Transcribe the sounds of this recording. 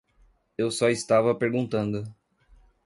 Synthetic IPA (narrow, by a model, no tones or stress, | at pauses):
ewsɔist̪avɐpeɾɡũnt̪ɐ̃nd̪ʊ